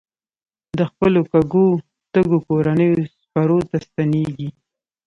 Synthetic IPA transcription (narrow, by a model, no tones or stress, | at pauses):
d̪əxpəlokaɡo | t̪əɡokoɾanəjospaɾot̪ast̪aneɡi